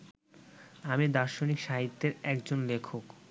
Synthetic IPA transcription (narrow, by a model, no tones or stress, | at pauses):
amid̪aɾʃonikʃaɦit̪ːeɾɛkd͡ʑonlekʰok